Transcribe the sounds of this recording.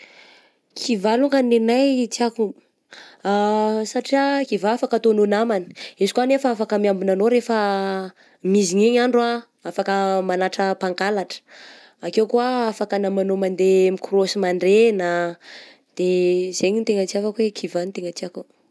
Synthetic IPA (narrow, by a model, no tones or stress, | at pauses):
kʰivaluŋɡanenajt͡siaku | asaʈ͡ʂiakivaafakət̪ononamani̥izukuanefaafakəmiambunanoɾefə | miziɲeɲaɳɖ͡ʐua | afakəmanaʈ͡ʂəpaŋkalaʈ͡ʂə̥ | akewkuaafakanamanomand̪emikurosimaɳɖ͡ʐena | d̪̥ez̥eɲint̪eŋət͡ʃiafakwekʰivant̪eŋət͡siaku